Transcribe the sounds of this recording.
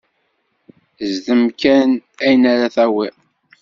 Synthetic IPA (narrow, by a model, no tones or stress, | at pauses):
zðəmkænæjnæɾaθæwi